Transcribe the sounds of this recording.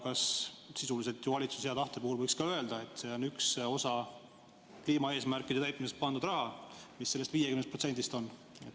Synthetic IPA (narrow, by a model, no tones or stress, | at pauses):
kɑssisulis̬et̪juvɑlʲit̪susheɑd̪ɑht̪epuhulɤjkskɑø̞e̞ld̪ɑe̞t̪ːˑse̞o̞nykso̞sɑ | kliːmɑe̞ːsmærkˑːid̪e̞t̪æjt̪̚ˑmisest̪̚pɑnd̪ud̪rɑɦɑmisːe̞lːest̪viːjekymnst̪pro̞t̪se̞nd̪̥ist̪o̞nː | et̪